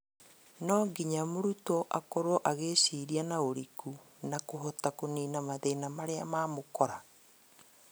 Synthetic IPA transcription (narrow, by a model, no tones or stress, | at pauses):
nɔːɡiɲamoɾutoʔakoɾɔʔaɣeːɕiːɾianaoɾiku | nakoɦotakoniːnamaðenamaɾea̰maːmokɔɾa